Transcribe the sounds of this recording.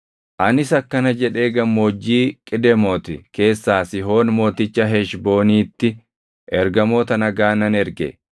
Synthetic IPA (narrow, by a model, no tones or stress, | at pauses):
ʔɐnɪsɐkːɐnɐd͡ʒɛᶑe̞ːɡɐmːoːd͡ʒːiːkʼɪd̪ɛmoːt̪ɪke̞ːsːaːsɪɦo̞ːnmo̞ːt̪ɪt͡ʃːɐɦɛʃbo̞ːniːt̪ːɪ | ʔɛɾɡɐmo̞ːt̪ɐnɐɡaːnɐnɛɾɡɛ̰